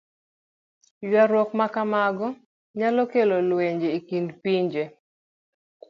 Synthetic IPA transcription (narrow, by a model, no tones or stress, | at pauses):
jwaɾwɔkmakamaɡɔ | ɲalɔkelolweɲd͡ʒeikindpiɲd͡ʒe